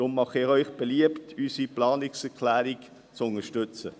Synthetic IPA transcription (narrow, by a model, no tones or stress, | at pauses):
ʊmːɑχɪχœʏχb̥eliəptysiplɑːnɪksɛkʰlæːɾik | t͡sʊnəʃtʏt͡sə